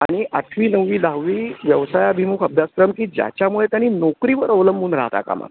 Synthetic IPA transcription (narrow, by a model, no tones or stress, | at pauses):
aɽ̃iʔaʈʰʋiːnəʋːiːd̪aʋiːʋjəʋsajəbʱimukʰəbʱjaskɾəmkiːd͡ʑja̰t͡ɕjamuɭet̪janːiːnokɾiʋəɾəʋləmbʱuːnɾa̰ɦt̪a̰ka̰ma̰